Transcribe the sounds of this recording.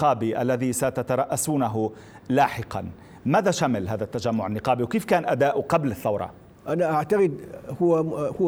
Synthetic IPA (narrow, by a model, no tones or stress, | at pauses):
ɑːbiʔalːaðisat̪at̪ɑɾˤɑʔːasuːnaɦʊ | laːħɪqɑ̰n | maːðaʃamɪlɦaːðat̪ːad͡ʒamːʊʕanːɪqɑːbiwkeːfkaːnʔad̪aːʔqɑblɪθːɑwɾˤɑ̰ | ʔanaʔaʕt̪aqɪd̪hʊwhʊ